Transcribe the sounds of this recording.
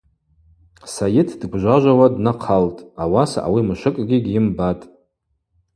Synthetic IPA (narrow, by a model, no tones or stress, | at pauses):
sajɪtʰdɡʷʒʷaʒʷawadnaqʰaltʼawasaʔa̰wimɨʃʷɨkʼɡʲiɡʲɪmbatʼ